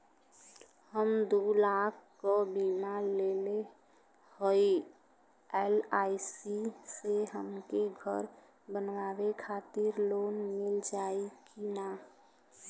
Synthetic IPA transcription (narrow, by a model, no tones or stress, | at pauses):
həmd̪ulakʰkobimalele | hoi | elaisiseɦəmkeɡʱəɾ | bənʋawekʰat̪ɪɾloːnmɪld͡ʒaikina